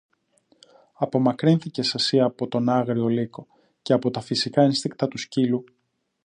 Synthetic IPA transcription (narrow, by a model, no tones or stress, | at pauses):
ɐpo̞mɐkɾinθice̞sesiɐpo̞t̪o̞nɐɣɾio̞liko̞ | ce̞ɐpo̞t̪ɐfisikɐenst̪ik̚t̪ɐt̪uscilu